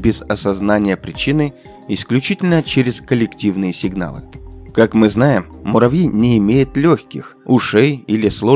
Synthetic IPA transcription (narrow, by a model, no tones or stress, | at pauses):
bʲɪzɐsɐznanʲɪjəpɾʲɪt͡ɕinɨ | ɪsklʲʉt͡ɕitʲɪlʲnət͡ɕeɾʲɪskəlʲɪktʲivnɨjəsʲɪɡn̪a̰lˠɨ̰kakmɨznajɪmːʊɾɐvʲinʲɪːmʲejɪt̪lʲoxʲkʲɪ̰xʊʂejilʲɪslˠo